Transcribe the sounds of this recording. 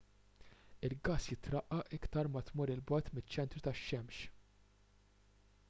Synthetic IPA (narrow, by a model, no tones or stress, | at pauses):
ɪlɡɐːsjɪt̪ɾɐʔːɐʔɪkt̪ɐɾmɐt̪mʊɾɪlbɐːt̪mɪt͡ʃːɛnt̪ɾut̪ɐʃːɛmʃ